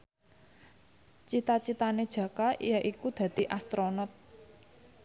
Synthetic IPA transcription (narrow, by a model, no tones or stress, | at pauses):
t͡ʃit̪at͡ʃit̪aned̥ʒ̥ä̤kaʔḭjaʔikud̪̥ä̤d̪̥i̤ʔast̪ɾonɔt̪̚